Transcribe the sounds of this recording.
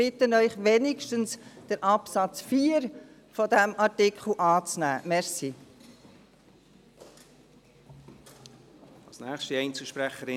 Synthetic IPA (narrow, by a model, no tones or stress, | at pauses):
ɪtənœʏχʋɛnɪkʃtənsd̥əɾʔɑpsɑt͡sfiːəɾ | fɔdæmɑɾtɪkχl̩ˠʔɑːt͡snæːmɛɾsi | ɑlsnæːχʃtiɛɪnt͡səʃpɾæχəɾɪ